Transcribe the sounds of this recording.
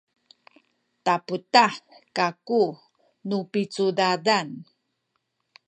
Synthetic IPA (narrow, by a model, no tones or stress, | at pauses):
taputakaku | nupit͡sudadan